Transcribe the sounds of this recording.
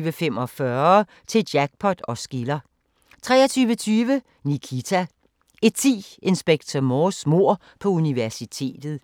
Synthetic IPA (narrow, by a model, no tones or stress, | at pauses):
ʋəfemɒ̽fɶɐ | t͡sʰe̝lj̥æɡ̥̚pʰɒ̽d̥ɒ̽sɡ̥ilɐ | t͡sʰʁɛ̰ːɐt͡sʰyːʋət͡sʰyːʋə | nikʰit͡sʰæ | e̝d̚t͡sʰḭːe̝nsb̥eɡ̥̚t͡sʰɐmoːsmo̝ɐ̰ | pʰɒ̽uniʋæɐsit͡sʰe̝̰ːd̥ð̞̩ˠ